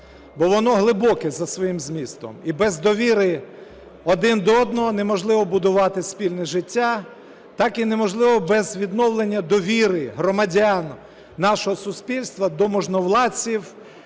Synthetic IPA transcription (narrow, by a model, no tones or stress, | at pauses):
bɔʋɔnɔɦlˠɪbɔkɛzɐsʋɔjimzmʲist̪ɔ̰mibɛzd̪ɔʋʲiɾɪ | ɔd̪ɪnd̪ɔɔd̪nɔɦɔnemɔʒlˠɪʋɔbʊd̪ʊʋɑt̪ɪspʲilʲnɛʒɪtʲːa | t̪ɑkinemɔʒlˠɪʋɔbɛzʋʲid̪nɔwlˠenʲːɐd̪ɔʋʲiɾɪɦɾɔmɐdʲanː | ɑʃɔɦɔsʊspʲilʲst̪ʋɐd̪ɔmɔʒnɔwlˠɑt͡sʲiw